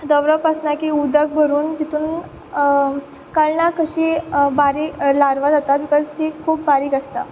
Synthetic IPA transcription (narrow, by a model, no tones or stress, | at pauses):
d̪əʋɾəpəsnakiud̪ək̚bəɾuːnt̪it̪uːn | kəɭnakəɕibaɾilaɾʋad͡zat̪aʋikat͡st̪ekʰuːp̚baɾiːkəst̪a̰